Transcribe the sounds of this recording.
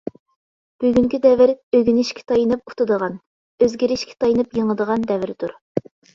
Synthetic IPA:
b̥yɡʲyŋkʲid̪ɛvɪɾøɡʲynɪʃkʲɪ̥t̪ʰɑjinɨp̚ut̪ʰɨd̪əʁɑn | øzɡʲiɾɪʃkʲɪ̥t̪ʰɑjinɨpjəŋəd̪əʁɑnd̪ɛvɪɾt̪ʰuɾ

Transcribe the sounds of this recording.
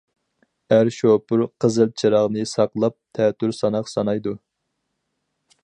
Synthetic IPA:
æɾʃopʊɾqʰəzɨlˠt͡ʃʰiɾɑʁnɨsɑqlˠɑp̚t̪ʰɛt̪ʰːyɾsɑnɑqsɑnɑjd̪u

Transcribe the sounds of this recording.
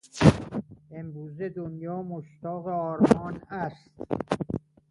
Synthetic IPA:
emɾuːzed̪onjɒːmoʃt̪ɒːɣeɒːɾmɒːnæst̪

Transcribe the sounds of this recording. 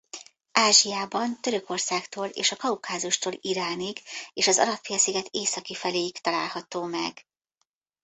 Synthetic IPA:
ʔaːʒijaːbɒnt̪ø̞ɾø̞ko̞rsaːkt̪oːlḛːʃɒkɒukaːzuʃt̪oːliɾaːniɡeːʃɒzɒ̰lɒpfijɒsiɡɛt̪ʰeːsɒkifɛleːjikt̪ɒla̰ːlhɒt̪oːmɛ̰ɡ

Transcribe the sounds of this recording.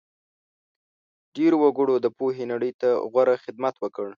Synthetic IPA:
ɖeɾowaɡəɽod̪əpoɦenaɽəjt̪aɣwaɾaxɪd̪mat̪wəkəɽ

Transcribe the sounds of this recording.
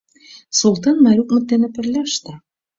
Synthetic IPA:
sulˠt̪ɑnmɑɾʲukmɤ̆t̪ːenɘ̆pɘ̆rlʲæʃt̪æ̆

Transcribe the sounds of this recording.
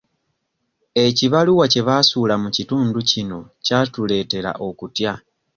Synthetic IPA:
e̞ciβaluwace̞βasuːlamucituːnducino̞catule̞ːte̞ɾa̰ʔo̞kutja

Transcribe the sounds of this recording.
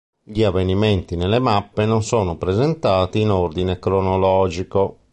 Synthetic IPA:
ʎiavːeniment̪inelemapːenonsɔːnopɾɛzɛnt̪aːt̪iːnord̪inekɾonɔlɔːd͡ʒiko

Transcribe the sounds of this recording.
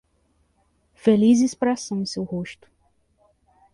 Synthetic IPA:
felizɪspɾasɐ̃w̃ĩsewhoʃt̪ʊ̥

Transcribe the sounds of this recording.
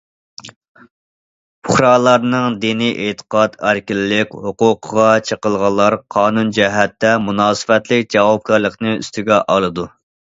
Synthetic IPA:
pʰʊχɾɑːlˠɑɾnɨŋd̪iniʔet̪ʰə̥qɑt̪æɾkʲilːɪkʲhʊqʊqʰəʁɑt͡ʃʰəqəlˠʁɑlˠːɑɾqʰɑːnund͡ʒɛɦɛt̪ːɛmunɑːsɨ̥wɛt̪lɪk̚ʲd͡ʒɑwɑp̚kʰɑɾlˠəqnɨy̰st̪yɡʲɛʔɑlˠɨd̪u

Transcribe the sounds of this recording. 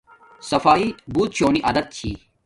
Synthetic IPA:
sɐfaːibuːt̪̚t͡ɕʰoːniʔɐd̪ɐt̪̚t͡ɕʰḭː

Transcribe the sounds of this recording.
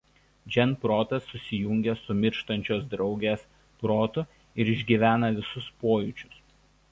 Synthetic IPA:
d͡ʒʲɛnpɾoːt̪ɐsːʊsʲɪjʊŋʲɡʲɛsʊmʲɪɾʃt̪ɐnʲt͡ʃʲoːs̬d̪ɾɒʊɡʲeːs | pɾoːt̪ʊ | ɪɾɪʒʲɡʲiːʋʲæːnɐʋʲɪsʊspoːjʊˑt͡ʃʲʊ̥s

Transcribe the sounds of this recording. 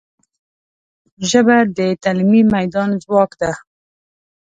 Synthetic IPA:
ʒəbad̪ət̪almimajd̪ɑːnzwɑːkd̪a

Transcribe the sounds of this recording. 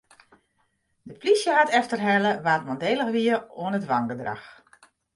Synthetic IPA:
dəplisjəɦatɛftərɦɛləʋaːtmɔndeːləxʋiəoənətʋaŋɡədra̰x

